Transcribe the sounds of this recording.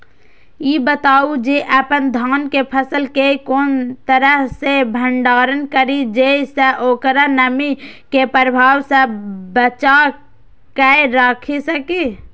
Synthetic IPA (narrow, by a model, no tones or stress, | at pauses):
jibət̪aːud͡ʒeʔəpənd̪ʱaːnkepʰəsəlkekoːnt̪əɾəɦsebʱəɳɖaːɾənkəɾid͡ʒeseʔoːkɾanəmikepɾəbʱaːwsebət͡ʃa | kɛeɾaːkʰesəke